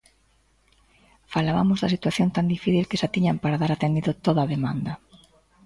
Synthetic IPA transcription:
falaβa̰mʊzðasit̪waθjont̪and̪ifiθilkɪsat̪iɲampaɾaðaɾat̪end̪iðʊt̪oðaðemã̰nd̪ɐ

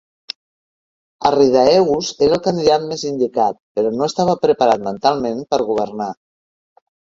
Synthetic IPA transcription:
ə̰riðaɛuzeɾəlˠkand̪iðat̪̚mezind̪ikat̪̚pəɾɔnoest̪aβəpɾəpaɾat̪mənt̪alˠmẽnpəɾɣuβəɾna

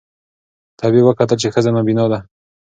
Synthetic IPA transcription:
t̪ʰabiwəkat̪əlt͡ʃexəzanabinɑd̪a

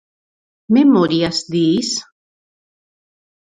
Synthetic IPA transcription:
mɛmɔɾiasd̪is

